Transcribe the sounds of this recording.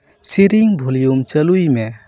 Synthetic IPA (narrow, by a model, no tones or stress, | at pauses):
siɾiŋbʱulijumt͡ʃɐlujme